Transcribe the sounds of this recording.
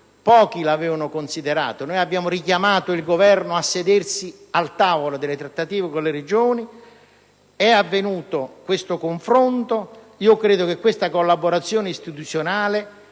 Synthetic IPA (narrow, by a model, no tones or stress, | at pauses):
pɔːk̟ilavɛːvanʊkonsid̪eɾa̰ːt̪onoːjabːjaːmʊɾik̟jamaːt̪ʊilɡovɛrnʊasːed̪ersi | alt̪aːvolod̪elːet̪ɾat̪ːat̪iːvɪkonleɾed͡ʒoːni | ɛavːenuːt̪okwest̪okoɱfɾont̪o | iːokɾeːd̪okekːwest̪akolːaboɾat̪sːjoːnɪist̪it̪ut̪sjonaːle